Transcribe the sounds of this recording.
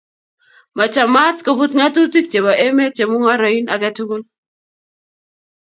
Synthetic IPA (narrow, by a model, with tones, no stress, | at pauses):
ma˨t͡ʃa˨ma˦tko˨bu˦tŋa˦tu˦ti˦k̚t͡ʃe˨ba˨ʔe˦me˦t͡ʃe˨mʊ˦ŋa˦ɾa˨i˦na˨kɛ˦tu˦ɡo˦l